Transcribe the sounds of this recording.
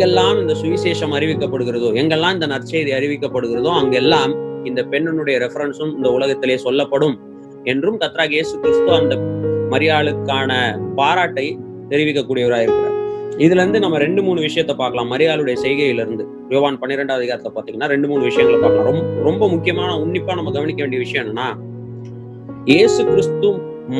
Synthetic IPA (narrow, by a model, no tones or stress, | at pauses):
ɛlːaːmɪnd̪ɐsʊjɪseːʂɐmɐɾɪʋɪkːɐpːɐɽɯɣɪɾɐðoːɛŋɡɐɭɛlːãːɪnd̪ɐnɐrt͡ʃɐjðɐɐɾɪʋɪkːɐpːɐɽɯɣɪɾɐðõːɐŋɡɛlːaːmɪnd̪ɐpɛɳːɯnɯɽɐjɐɾɛfɐɾɐnsɯmɪnd̪ɐʊlɐɣɐt̪ːɪleːsɔlːɐpːɐɽɯm | ɛndrɯmt̪ɐt̪ːɾaːɣɐjeːsɯkɪɾɪst̪ɯʋaːɪnd̪ɐmɐɾɪjaːɭɯkːaːnɐpaːɾaːʈːɐɪ | t̪ɛɾɪʋɪkːɐkːuːɽɪjɐʋɐɾaːjɪɾɯkːɐɪðɪlɐɾɯnd̪ɯnɐmːɐɾɛɳɖɯmuːɳːɯʋɪʂɐjɐt̪ːɐpaːɾkɐlãːmːɐɾɪjaːɭɯɽɐjɐsɛjɣɐjɪlɪɾɯnd̪ɯ | joːʋaːnpɐɳːɪɾɛɳɖaːʋɐðɪɣaːɾɐt̪ːɪlɐpaːɾt̪iːŋɡɐnːaːɾɛɳɖɯmuːnɳːɯʋɪʂɐjɐŋɡɐɭɐpːaːɾkɐɐ̃ɾɔmɾɔmbɐmʊkːɪjɐmaːnɐʊɳːɪpːaːnɐmːɐɡɐʋɐnɪkːɐʋeːɳɖɪjɐʋɪʂɐjɐ̃mɛːnːɐnːaː | jeːsɯkɪɾɪst̪ɯ